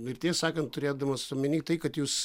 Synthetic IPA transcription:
ɪrʲt̪ʲeːsɑːkɐnt̪tʊɾʲeːd̪ɐmɐspɐmʲɪnʲiːttɐɪkɐt̪juːs

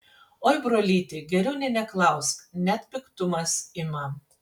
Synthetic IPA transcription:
oːɪbɾoːlʲiːt̪ʲɪɡʲɛɾʲɛʊnʲɛnʲɛklˠɐˑʊsknʲɛt̪ʲpʲɪkt̪ʊmɐsɪmɐ

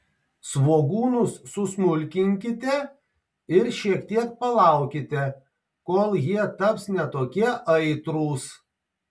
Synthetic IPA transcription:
sʋoːɡuːnʊsːʊsmʊlʲkʲɪŋʲkʲɪt̪ʲɛ | ɪɾʃʲiɛkt̪ʲiɛk̚pɐlˠɑˑʊkʲɪt̪ʲɛ | koːlˠjiɛt̪ɐpsnʲɛt̪oːkʲiɛʔɐɪt̪ɾuːs

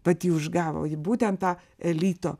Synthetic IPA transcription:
bɐt̪ʲiːʊʒɡɑːʋɐ̰ʊjɪbuːt̪ʲɛnt̪tɑː | ɛlʲiːt̪o̰ː

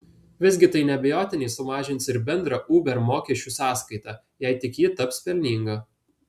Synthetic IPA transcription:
ʋʲɪzʲɡʲɪt̪ɐɪnʲɛbʲɛjoːt̪ʲɪnʲɛɪsʊmɑːʒʲɪnʲtsɪɾbʲɛnd̪ɾɑʔuːbʲɛɾmoːkʲɛʃʲt͡ʃʲuːsɑːskɐɪt̪ɑ | jɛɪt̪ʲɪkjiːt̪ɐpspʲɛlʲnʲiːŋɡɐ

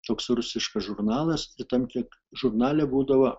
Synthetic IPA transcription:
t̪oːksrʊsʲɪʃkɐsʒʊrnɑːlˠɐsɪt̪ɐmt̪ʲiɛkʒʊrnɑːlʲɛbuːd̪ɐʋɐ

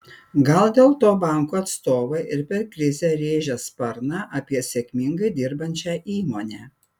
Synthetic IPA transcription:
ɡɐlˠd̪ʲeːlˠt̪oːbɑˑŋkuːɐt̪st̪oːʋɐɪʔɪɾpʲɛɾkɾʲɪzʲɛːɾʲeːʒʲɛspɐɾnɑʔɐpʲiɛsʲeɛkʲmʲɪŋɡɐɪd̪ʲɪɾbɐnʲt͡ʃʲæːʔiːmoːnʲeː

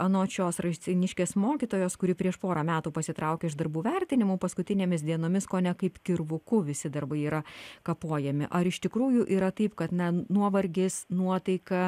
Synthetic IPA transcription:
ɐnoːt͡ʃʲoːsrɐʃʲt͡s̪ʲɪnʲɪʃʲkʲeːsmoːkʲit̪oːjoːskʊɾʲɪpʲɾʲiɛʃpoːɾɐmʲæːt̪uːpɐsʲɪt̪ɾɐʊkʲeːɪʒd̪ɐrbuːʋʲɛɾʲt̪ʲɪnʲɪmuːpɐskʊt̪ʲɪnʲeːmʲɪsd̪ʲiɛnoːmʲɪskoːnʲɛkɐɪpkʲɪrʋʊkʊʋʲɪsʲɪd̪ɐrbɐɪiːɾɐkɐpuɔjɛmʲɪ̰ʔɐɾɪʃt̪ʲɪkɾuːjʊʔiːɾɐt̪ɐɪpkɐt̪nʲɛnuɔʋɐɾʲɡʲɪsnuɔt̪ɐɪkɐ

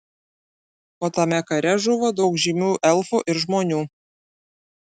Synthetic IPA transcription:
oːt̪ɐmʲɛkɐɾʲɛʒʊʋoːd̪ɒʊkʒʲimʲuːʔɛlˠfuːʔɪɾʒmoːnʲuː

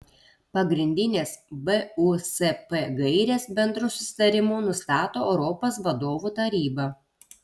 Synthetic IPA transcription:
pɐɡɾʲɪnʲd̪ʲɪnʲeːsbɛusɛpɛɡɐɪɾʲeːsbʲɛnd̪ɾusʊ̥sʲɪ̥t̪ɐɾʲɪmuːnʊst̪ɑːt̪oːɛʊɾɔpoːsʋɐd̪oːʋuːt̪ɐɾʲiːbɐ

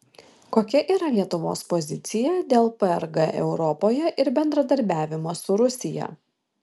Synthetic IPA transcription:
koːkʲɛʔiːɾɐlʲiɛt̪ʊʋo̰ːspɔzʲɪt̪sʲɪjɛd̪ʲeːlˠpɛɛɾɡɐʔɛʊɾɔpoːjɛʔɪɾbʲɛnd̪ɾɐd̪ɐɾʲbʲæːʋʲɪmoːsʊɾʊsʲɪjɛ̰

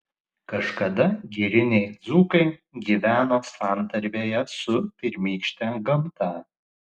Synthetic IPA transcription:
kɐʃkɐd̪ɐɡʲiɾʲɪnʲɛɪd̪zuːkɐɪɡʲiːʋʲæːnoːsɑːˑnt̪ɐɾʲʋʲeːjɛsʊpʲɪɾʲmʲiːkʃʲt̪ʲɛɡɐmt̪ɑː

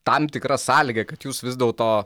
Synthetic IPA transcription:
t̪ɐmt̪ʲɪkɾɐsɑːlʲɪɡʲɐkɐt̪juːsʋʲɪzd̪ʲɛlˠt̪oː

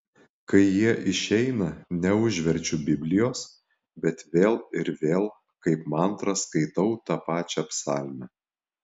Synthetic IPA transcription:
kɐɪjiɛʔɪʃʲɛɪnɐnʲɛʊʒʲʋʲɛɾʲt͡ʃʲʊbʲɪbʲlʲɪjoːs | bʲɛt̪ʋʲeːlˠɪɾʋʲeːlˠ | kɐɪpmɐnt̪ɾɐskɐɪt̪ɐʊt̪ɑpɑːt͡ʃʲɛɐpsɑːlʲmʲɛ

